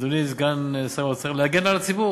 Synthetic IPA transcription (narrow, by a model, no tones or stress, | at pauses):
d̪uniz̬ɡansaot͡seχlehaɡenalat͡sibu